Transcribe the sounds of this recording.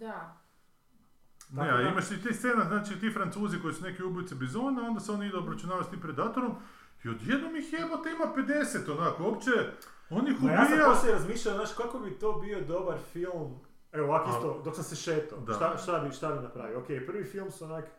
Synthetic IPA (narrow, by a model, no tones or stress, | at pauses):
d̪a | neaimaʃt̪it̪ist̪senaznaːt͡ʃiːt̪iːfɾant̪suːziko̞jisune̞kiubijt̪sebizonao̞nd̪aseo̞niid̪uobɾat͡ʃunaːʋast̪impɾed̪aːt̪oɾom | iod̪jed̪nomjixjemot̪imaped̪e̞set̪onakoopt͡ʃe | onixubioosiɾazmiːʃʎajoznaːʃkakobit̪oːbio̞d̪o̞baɾfilˠm | eoʋakist̪od̪oksaseʃet̪od̪aʃt̪aʃt̪abiʃt̪abinapɾa̰ʋijookepr̩ʋifilˠmsuonak